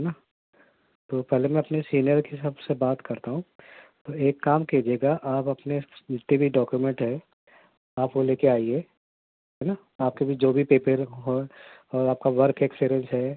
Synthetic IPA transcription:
ɦɛna | t̪oːpɛɦlemɛ̃ɐpnesiːnijəɾkisɐbsebaːt̪kɐɾt̪aɦũt̪oeːkːaːmkeːd͡ʒeːɡaʔaːpɐpneɪt̪ːibʱiɖɔːkjumɛ̃ɳʈɦɛː | aːpkoleːkeaːieː | ɦɛna | aːp̚kebʱid͡ʒoːbʱipeːpəɾɦoɔːɾaːp̚kaʋɐɾkʰekspeːɾə̃nsɦɛː

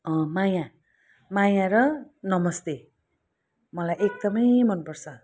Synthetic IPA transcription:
ʌ̃maja | majãɾʌnʌmʌst̪e | mʌlajek̚d̪ʌmʌjmʌnpʌrt͡sʰʌ

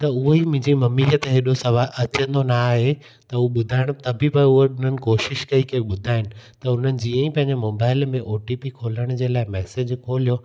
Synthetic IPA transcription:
t̪ɐʊɦoimʊ̃ɪ̃ɲd͡ʑimɐmiːɦət̪ɦeːɗosɐʋaːʔɐt͡ɕə̃nd̪onaːɦe | t̪ɐʊoɓʊd̪ʱaːɪɽ̃ʊt̪ɐbʱɪpɐʊɦoʊn̤ənɪ̆koːʃɪʃkɐikɐɓʊd̪ʱaːɪnɪ̆t̪ɐʊn̤ənɪ̆d͡ʑiːə̃ĩpɐ̃ɦɪ̃ɲd͡ʑemoːbaːɪlmẽʔoːʈiːpikʰoːləɽ̃ʊd͡ʑeːlaːɪmɛːsed͡ʑkʰoːlijo

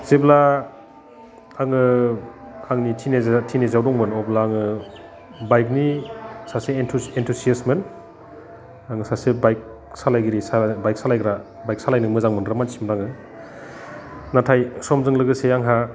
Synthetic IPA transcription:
zebla | aŋɯ | aŋnitʰinetʰinezawɾɔŋmɯnɔblaːŋɯ | bajk̚nisaseentʰuentʰusiasmen | aŋɯsasebajk̚ | salajɡiɾisabajk̚salajɡɾa | bajk̚salajnɯmɯzaŋmɯnɾamansimɾaŋɯ | natʰajsɔmzɯŋlɯɡɯsejaŋɦa

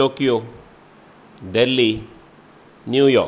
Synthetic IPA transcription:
okio | deli | niujɔ

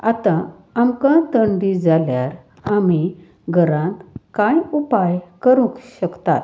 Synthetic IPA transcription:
at̪ã | amkãt̪əɳɖid͡zaljaɾ | ami | ɡʱəɾãnt̪kãjupajkəɾũkɕəkt̪a̰t̪

